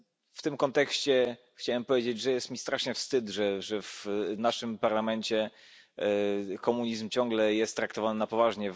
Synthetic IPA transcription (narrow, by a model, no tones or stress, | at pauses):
ft̪ɘmkɔnt̪ɛkɕt͡ɕɛ | xt͡ɕawɛmpɔvʲjed͡ʑed͡ʑʐɛjɛst̪mʲist̪ɾaʂɲɛfst̪ɘd̪ʐɛʐɛvnaʂɘmpaɾlamɛɲt͡ɕɛ | kɔmuɲizmt͡ɕɔ̃ŋɡlɛjɛst̪ːɾakt̪ɔvannapɔvaʐɲɛ